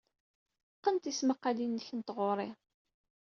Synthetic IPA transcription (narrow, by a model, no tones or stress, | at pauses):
qːənt̪isməqːalinːəçənt̪ʁoɾˤɪ